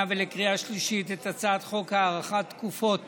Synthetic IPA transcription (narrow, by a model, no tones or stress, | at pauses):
velekʁiaʃliʃit̪et̪at͡saːt̪χo̞khaːʁaχat̪ːkufo̞t̪